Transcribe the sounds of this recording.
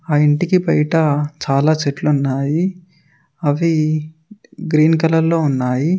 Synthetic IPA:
aːiɳʈikibɐjʈɐt͡ʃaːlaːt͡ʃeʈluunːaːji | ɐʋi | ɡɾiːnkɐlɐɾlo̞ːunːaːji

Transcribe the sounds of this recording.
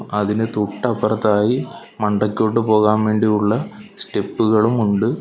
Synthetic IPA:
ɐðinɨt̪uʈːɐpɐrɐt̪ːaːji | mɐɳɖɐkʲːo̞ːʈ̬ːɨpo̞ːɣaːnʋe̞ːɳɖijuɭːɐsʈe̞pːuɣɐɭumuɳɖɨ

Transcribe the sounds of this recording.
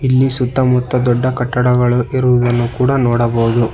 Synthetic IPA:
ilːisut̪ːɐmut̪ːɐd̪ɔɖːɐkɐʈːɐɽɐɡɐɭuʔiɾuʋud̪ɐnːukuːɽɐnɔːɽɐbɐːud̪u

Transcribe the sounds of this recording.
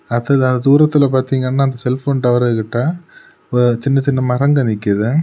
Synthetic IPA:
ɐðɐðɐnd̪ɐd̪uːɾɐt̪ːɪlɐpaːɾt̪iːŋɡɐnːaːɐnd̪ɐsɛlfoːnʈɐʋɐɾɐɯkːɪʈːaː | ɔɾɯt͡ʃɪnːɐt͡ʃɪnːɐmɐɾɐŋɡɐnɪkːɪðɯ

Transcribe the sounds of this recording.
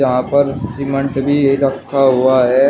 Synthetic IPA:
ɐɦãpɐɾsɪmə̃ɳʈbʱiiɾɐkʰːaɦuaɦɛː

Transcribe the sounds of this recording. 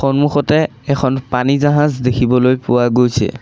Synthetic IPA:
xɔnmuxɔtɛ | ɛkʰɔnpanizaɦazdekʰibɔlojpʊwaɡojsʰɛ̰

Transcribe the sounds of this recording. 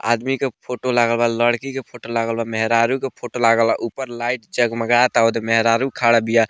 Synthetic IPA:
a̰d̪mikepʰoʈolaɡəlbaləɽkikepʰoʈolaɡəlbamɛɦɾaɾukepʰoʈolaɡəlaʔupəɾlaiʈd͡ʒəɡməɡat̪aud̪emɛɦɾaɾukʰaɽabija

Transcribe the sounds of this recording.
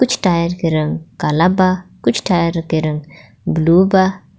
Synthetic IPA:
kʊt͡ʃʰʈaːjəɾkeɾɐ̃ŋɡkalabakʊt͡ʃʰʈaːjəɾkeɾɐ̃ŋɡ | bluːba

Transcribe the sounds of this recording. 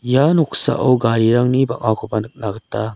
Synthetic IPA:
janɔksa̰ʔɔwɡaɾiɾaŋnibaŋakʰɔbanɯk̚naɡɯtːa

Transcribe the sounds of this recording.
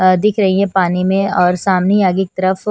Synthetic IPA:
d̪ɪkʰɾɐɦiɦɛ̃paːnimẽɔːɾsaːmnejaːɡik̚t̪ɐɾəf

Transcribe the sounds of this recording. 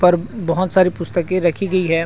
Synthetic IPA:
pɐɾbɐɦʊt̪saːɾipʊst̪əkẽɾɐkʰiɡɐiɦɛː

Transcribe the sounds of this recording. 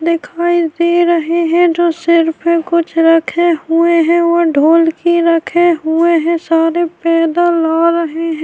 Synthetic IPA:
d̪ɪkʰaːid̪eːɾəɦeɦɛ̃d͡ʒoːsɪɾpʰkʊt͡ʃʰɾɐkʰeʊeɦɛ̃ʋoɖʱoːlkiɾɐkʰeɦʊeɦɛ̃saːɾepɛːd̪alaːɾəɦeɦɛ̃

